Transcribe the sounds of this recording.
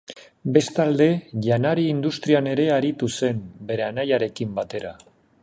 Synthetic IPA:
be̞st̪ald̪e̞ʎanaɾiːnd̪ust̪ɾiane̞ɾe̞aɾit̪use̞mbe̞ɾe̞anajaɾe̞kimbat̪e̞ɾa

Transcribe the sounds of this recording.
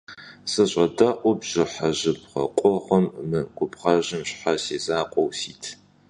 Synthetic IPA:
sɨɕʷʼɐdɐʔʷʊbʒ̥ɪħaʑɪp̚χɐ̰qʷʼɔʁɐmːɨɡʷʊpʁɐʑɪmɕħaseːzaːqʷʼɔwsiːtʰ

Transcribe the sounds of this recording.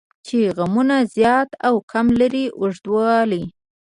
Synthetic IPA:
t͡ʃeɣamunazjɑt̪awkʰamlaɾiʔʊʐd̪wɑli

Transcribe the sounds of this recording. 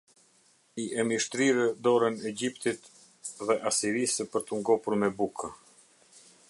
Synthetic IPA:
iʔɛmiʃt̪ɾiɾɛd̪ɔɾɛnɛɟipt̪it̪ | ðɛʔasiɾisəpəɾt̪əŋɡɔpuɾmɛbukʰa

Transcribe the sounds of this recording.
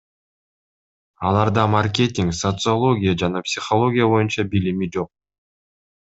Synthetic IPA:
ɑlˠɑɾd̪ɑmarkʲe̞t̪ʲɪŋksot̪sɨolˠo̞ɡʲɪjad͡ʒɑnɑpsʲɪχolˠo̞ɡʲɪjabo̞junt͡ʃɑbilimid͡ʒo̞q̚

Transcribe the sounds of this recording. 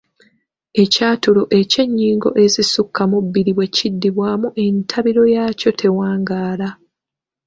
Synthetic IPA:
e̞caːtulo̞ʔe̞ce̞ɲːiːŋɡo̞̰ʔe̞zisukʰːamubːiɾiβwe̞cidːiβwaːmuʔe̞ntʰaβiɾo̞jaːco̞tʰe̞waːŋɡaːla

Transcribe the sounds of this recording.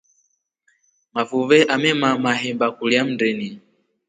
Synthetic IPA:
mafuvɛʔamɛmamaɦɛmbakuliam̩dɛni

